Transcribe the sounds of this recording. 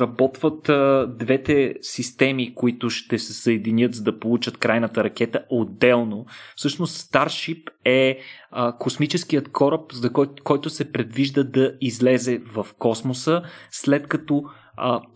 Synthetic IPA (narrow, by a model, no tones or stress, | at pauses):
ɾɐbɔt̪vət̪d̪vɛt̪ɛsist̪ɛmikoit̪ʊʃt̪ɛsɛsəɛd̪inʲɤt̪zɐd̪ɐpolˠut͡ʃət̪kɾajnət̪əɾɐk̟ɛt̪əʔod̪ːɛlˠnofsɤʃnost̪st̪aɾʃipɛəkosmit͡ʃɛsk̟ijət̪kʰɔɾəpzɐkɔkɔjt̪ʊsɛpɾɛd̪viʒd̪əd̪ɐizlɛzɛvɐfkɔsmosəslɛt̪kɐt̪ɔ | ə